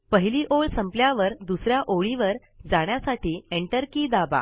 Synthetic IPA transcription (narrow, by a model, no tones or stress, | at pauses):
pəɦiliːʔoɭsəmpljaʋəɾd̪usɾjaʔoɭiʋəɾ | d͡zaɳ̃jasaʈʰiːeɳʈəɾkiːd̪aba̰